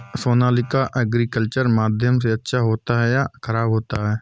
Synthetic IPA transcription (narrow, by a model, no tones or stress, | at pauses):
soːnaːlɪkaʔɛɡɾikəlt͡ʃəɾmaːd̪ʱjəms̬eɐtːʃʰaɦoːt̪aɦɛjakʰəɾaːbɦoːt̪aɦɛː